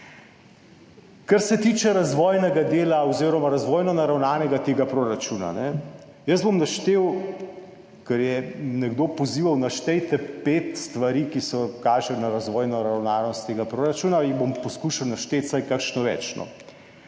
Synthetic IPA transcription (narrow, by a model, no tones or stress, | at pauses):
kɐɾsɛt̪iːt͡ʃɛɾazʋɔːjnɛɡad̪eːlaɔziːɾɔmaɾazʋɔːjnɔnaɾawnaːnɛɡat̪eːɡapɾoːɾat͡ʃuna̰nɛ | jəzbomnaʃt̪eːw | kɐɾjɛnɛɡd̪oːpɔziːʋawnaʃt̪ɛjt̪ɛpet̪st̪ʋaɾiːkisɔkaːʒɛnaɾazʋɔːjnɔɾawnaːnɔst̪ːeːɡapɾoːɾat͡ʃuːnaibompɔskuːʃawnaʃt̪eːt̪sajkakʃnɔʋɛ̰ːt͡ʃnɔ̰